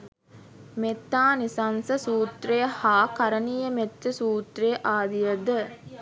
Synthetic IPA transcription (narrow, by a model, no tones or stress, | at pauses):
met̪ːaːnisɐnsɐsuːt̪rejhaːkɐɾənijəmet̪ːəsuːt̪ɾejʔaːd̪ijəd̪ə